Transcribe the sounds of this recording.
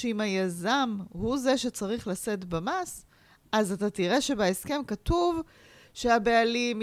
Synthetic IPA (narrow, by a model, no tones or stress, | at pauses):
eimhajazamhuze̞ʃe̞t͡saʁiχlase̞tbamas | ʔazatatiʁe̞ʃe̞baeske̞mkatuv | ʃeabealim